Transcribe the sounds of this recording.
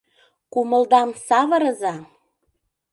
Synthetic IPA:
kumə̆ld̪ɑmsɑβɤ̆ɾɤ̆zɑ

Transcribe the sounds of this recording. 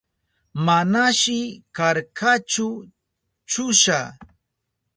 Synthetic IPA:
manaʃɪkaɾkʰat͡ʃʊ | t͡ʃʊʃa

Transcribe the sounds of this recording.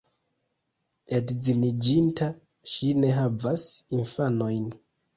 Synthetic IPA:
edzinid͡ʒinta | ʃine̞ɦavasinfano̞jn

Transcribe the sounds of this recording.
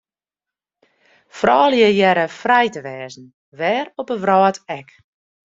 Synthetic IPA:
frɔːljəjɛɾəfrɛjtəʋɛːzn̩ | ʋɛːropəʋrɔːtɛk

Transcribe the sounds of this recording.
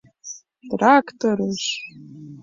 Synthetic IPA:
traktʰoɾɨʃ

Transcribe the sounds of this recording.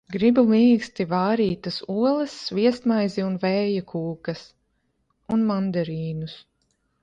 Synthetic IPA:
ɡɾibumiːkst̪ivaːɾiːt̪ɐsuɔlˠɐsːviɛst̪majziunvɛːjakʰuːkɐs | unmand̪aɾiːnus

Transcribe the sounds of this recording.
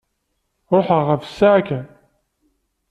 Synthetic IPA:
ɾˤoħəʁəfə̥sːaʕakæ

